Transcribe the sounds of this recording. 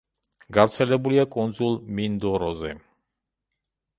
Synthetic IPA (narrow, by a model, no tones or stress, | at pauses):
ɡavɾt̪sʰɛlɛbuliakʼɔnd̪zulˠmind̪ɔɾɔzɛ